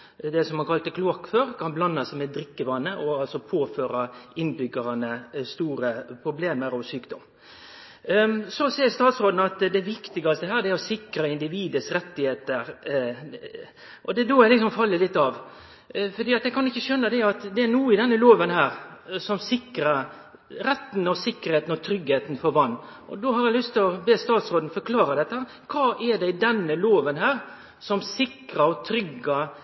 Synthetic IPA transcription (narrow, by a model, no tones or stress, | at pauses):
d̪ɛsɔmhɑnkʰɑlt̪əkʰlukføːɾkʰɑnblɑnːɑsæɪmɛd̪ɾɪkːəʋɑnːəʔɔɑlsɔpʰoːføːɾɑɪnbʏɡəɾɑnəst̪uːɾəpʰɾʊbleːməɾɔʋsyːkd̪ɔm | sɔsɛɪst̪ɑːt̪sɾoːd̪nɑt̪d̪ɛʋɪkt̪ɪɡɑst̪əɦæːɾd̪ɛæɾɔsɪkɾɑɪnd̪ɪʋiːd̪əsɾɛt̪ːɪheːt̪əɾ | ʔɔd̪ɛd̪oːjæɪlɪks̬ɔmfɑlːəlɪt̪ːɑʋ | fɔɾd̪iːɑt̪jæɪkʰɑnɪçːəʃœnːəd̪ɛɑt̪d̪ɛæɾnuːəɪd̪ɛnːəloːʋənhæːɾsɔmsɪkɾɑ | ɾɛt̪ːnɔsɪkːəɾheːt̪n̩ɔt̪ʰɾʏɡheːt̪n̩fɔɾʋɑnː | ʔɔ̰d̪oːhɑɾjæɪlʏst̪ɪlɔbeːst̪ɑːt̪sɾoːd̪n̩fɔɾkʰlɑːɾɑd̪ɛt̪ːəhæːɾ | kʰɑːʔɛɖɛɪd̪ɛnːəloːʋənhæːɾ | sɔmsɪkɾɑɔt̪ʰɾʏɡːɑ